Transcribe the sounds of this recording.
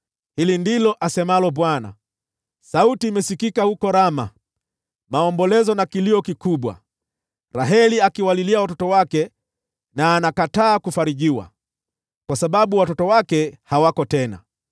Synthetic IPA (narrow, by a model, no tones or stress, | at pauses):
hilindilɔʔasɛmalɔɓwana̰ | sautiːmɛsikikahukɔɾama̰ | maɔmbɔlɛzɔnakiliɔkikuɓwa̰ | ɾaɦɛliakiwaliliawatɔtɔwakɛ | naːnakataːkufaɾiʄiwa̰ | kwasaɓaɓuwatɔtɔwakɛhawakɔtɛna̰